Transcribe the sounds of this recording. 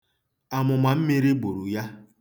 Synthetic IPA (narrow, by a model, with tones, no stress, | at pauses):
a˨mʊ˨ma˨m̩˦mi˦ɾi˦ɡ͡bo˨ɾu˨ja˦